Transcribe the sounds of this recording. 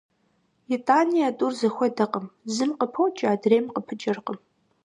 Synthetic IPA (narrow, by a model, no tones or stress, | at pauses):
jitʼaːnijatʼuːrzɐxʷɔdɐqəmzɨmqəpʰowt͡ʃʼaːdreːmqəpʰɨt͡ʃʼɐrqəm